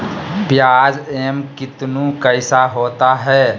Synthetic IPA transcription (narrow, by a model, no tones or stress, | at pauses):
pjaːd͡ʒeːmkɪt̪nũkəɪsaɦoːt̪aɦɛː